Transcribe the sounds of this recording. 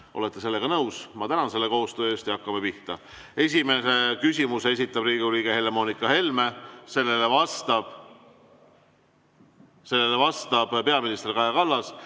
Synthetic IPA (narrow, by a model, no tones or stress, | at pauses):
ʔo̞̰le̞t̪ːˑe̞se̞lːe̞ɡ̥ɑnɤwsmɑt̪ænɑnse̞lːe̞ko̞ːst̪øest̪iɑkːˑɑmepiht̪ɑ | e̞s̬ʲime̞se̞kys̬ʲimuse̞s̬ʲit̪ˑːɑbriːɡuɾiːɡ̥ehe̞lemo̞ːnikːˑɑɦe̞lme̞se̞lːe̞le̞vɑst̪ɑb̥ | se̞lːe̞le̞vɑst̪ɑb̥pe̞ɑminist̪erkɑjɑkɑlːɑs